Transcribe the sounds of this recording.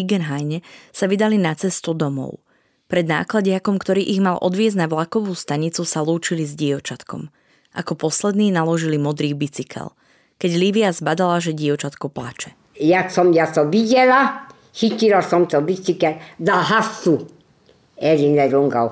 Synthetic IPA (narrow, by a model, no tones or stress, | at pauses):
iɡɛnɦajɲɛsaʋid̪alinat͡sɛst̪ud̪ɔmɔ̰ʊ | pɾɛd̪na̰ːklaɟɪakɔmkt̪ɔɾiːʔiɣmalˠʔɔ̰d̪ʋɪɛznaʋlakɔʋuːst̪aɲit͡susaluːt͡ʃilizɟiɔt͡ʃat̪kɔ̰m | ʔakɔpɔslɛd̪niːnalɔʒilimɔd̪ɾiːbit͡sikʰɛ̰l | kɛɟliʋiazbad̪alaʒɛɟiɔt͡ʃat̪kɔpla̰t͡ʃɛ̥ | jasɔmjat̪ɔʋiɟɛla | xicilasɔmt̪ɔbit͡sikɛld̪aɦasu | ɛɾinɛɾuŋɡɔ̰w